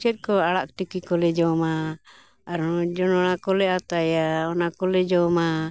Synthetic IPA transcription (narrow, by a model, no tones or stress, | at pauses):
t͡ʃɛt̪̚kɔaɽak̚ʈikikɔlɛd͡ʒɔmaː | ɾɔd͡ʒɔnɔɽakɔlɛat̪ajaɔnakɔlɛd͡ʒɔma